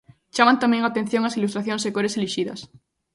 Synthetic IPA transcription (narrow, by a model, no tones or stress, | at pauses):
t͡ʃamãnt̪amẽŋat̪ẽn̟θjõŋasilust̪ɾaθjõŋsekoɾeseliʃiðɐ̰s